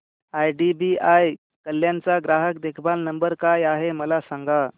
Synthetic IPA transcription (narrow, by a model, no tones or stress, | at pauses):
ajɖibiaj | kəlːjãnt͡saɡɾaɦəkd̪ekʰbalnəmbəɾkajaɦeməlasãŋɡa